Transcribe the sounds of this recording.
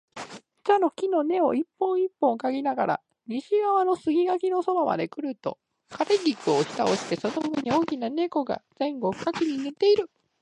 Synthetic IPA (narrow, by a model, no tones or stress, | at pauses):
t͡ɕano̞kʲino̞ne̞o̞̰ipːõ̞ɰ̃ipːõ̞ŋkaɡʲinaɡaɾa̰ | ɲ̟iɕiɡaβano̞sɨɡʲiɡakʲino̞so̞bama̰d̪e̞kɯ̟ɾɯ̟t̪o̞̰ | kaɾe̞ɡʲikɯ̟o̞ɕi̥t̪a̰o̞ɕi̥t̪e̞so̞noɡɯ̟ɲ̟io̞ːkʲinane̞ko̞ɡa̰z̥ẽ̞ŋɡo̞ɸɯ̟̥kakʲiɲ̟inɯ̟t̪ːe̞iɾɯ̟